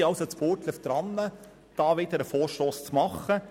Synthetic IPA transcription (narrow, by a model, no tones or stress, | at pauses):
ɑwsət͡spot̪ləfd̥̪ɾɑnːə | d̥ɑːʋɪd̥̪əɾəfoːɾʃtoːst͡smɑχːə